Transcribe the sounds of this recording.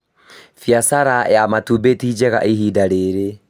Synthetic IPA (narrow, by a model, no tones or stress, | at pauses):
fiasaɾaʔɛamatubetid͡ʒɛɣa̰ʔiɦiːdaɾeɾe